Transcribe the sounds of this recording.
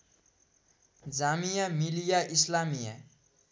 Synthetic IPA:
d͡zamijamilijaʔislamija̰

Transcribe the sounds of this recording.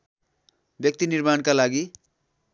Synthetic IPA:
bjʌk̚t̪inirmankalaɡi

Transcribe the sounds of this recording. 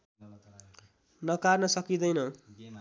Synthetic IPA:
nʌkarnʌsʌkid̪ʌjnʌ

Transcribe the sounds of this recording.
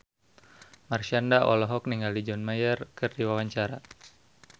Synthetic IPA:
marʃandaʔɔ̰lɔɦɔk̚niŋalid͡ʒɔnmajərkɨrdiwawaɲt͡ʃaɾa

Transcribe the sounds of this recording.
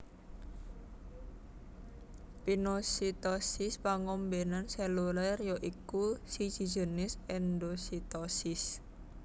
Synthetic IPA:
pinosit̪ɔsɪspaŋɔmbenanselulərjoʔikusi̥d͡ʒ̥i̤̥d͡ʒ̥ə̤nɪsɛnd̪osit̪ɔsɪs

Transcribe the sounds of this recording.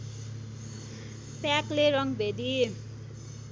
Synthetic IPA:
pjakleɾʌŋbʱed̪i

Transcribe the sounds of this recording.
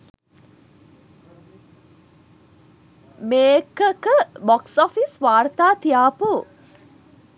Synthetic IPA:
meːkəkəbɔksɔfisʋaːɾt̪aːt̪ijaːpu

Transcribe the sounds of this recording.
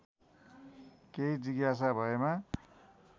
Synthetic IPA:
keid͡ziɡjas̬abʱʌema

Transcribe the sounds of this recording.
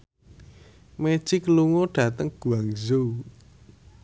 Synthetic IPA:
me̥t͡ʃikəluŋoɖ̥ä̤t̪əŋɡ̥ṳaŋzu

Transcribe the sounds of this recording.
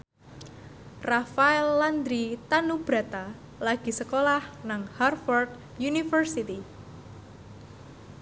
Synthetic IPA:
rafaɛlːand̪ɾit̪anub̥ɾat̪a | laɡ̥i̤səkolahnaŋharfɔrd̪̚ | junifərsit̪i

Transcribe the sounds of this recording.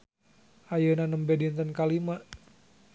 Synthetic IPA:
ʔajənanəmbɛdint̪ənkalimaʔ

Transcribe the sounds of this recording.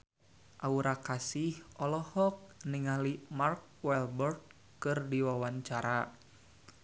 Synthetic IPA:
ʔauɾakasihɔlɔhɔk̚niŋalimark̚wɛlbɔrd̪̚ | kɨrdiwawaɲt͡ʃaɾa

